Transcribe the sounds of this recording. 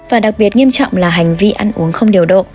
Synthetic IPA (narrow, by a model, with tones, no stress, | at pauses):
vaː˨˩ɗa˨˩k̚ɓi˨˩ət̚ŋi˧əmt͡ɕɔ̰˧˨wŋ͡mlaː˨˩ɦa˨˩jŋ̟vi˧ʔa˧nʔṵ˨˦əŋxə˧wŋ͡mɗi˨˩əwɗo̰˧˨t̚